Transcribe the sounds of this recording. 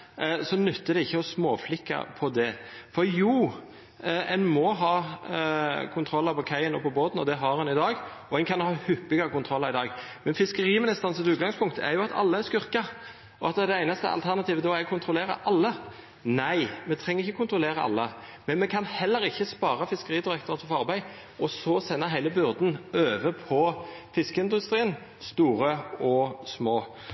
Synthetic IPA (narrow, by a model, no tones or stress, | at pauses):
sɔnʉt̪ːəd̪ɛɪçːəɔsmoːflɪkːɑ̰pʰɔd̪ɛfɔɾjuː | ɛnmɔɦɑː | kʰʊnt̪ʰɾɔlːɑpɔkʰæɪənɔpʰɔboːt̪nɔd̪ɛɦɑɾɛnɪd̪ɑːɡ | ɔɛnkʰɑnhɑːhʏpːɪɡɑɾəkʊnt̪ʰɾɔlːɑɾɪd̪ɑːɡ | mɛnfɪskəɾiːmɛnɪst̪ɑnsət̪ʉːɡɑŋspʰʊŋkt̪ɛ̰ɾjʊɑt̪ʰɑ̰lːəæskʏʁkɑ | ɔɑt̪ɛd̪ɛæɪnɑst̪ə̰ɑ̰lt̪ʰæʁnɑt̪iːʋəd̪ɔækʰʊnt̪ʰʁʊleːʁə̰ʔɑlːə | næɪmɛt̪ʰʁɛŋəʁɪçːəkʊnt̪ɾʊleːʁəɑ̰lːəmɛnmɛkʰɑnhɛlːəɾɪçːəspɑːɾɑfɪskəʁiːd̪ɪʁɛkt̪ʁɑt̪fɔfɔɑʁbæɪ | ɔsɔsɛnːəɦæɪləbʏʁd̪n̩øːʋəpʰɔfɪskəɪnd̪ʉst̪ɾiːən | st̪uːɾəɔsmoː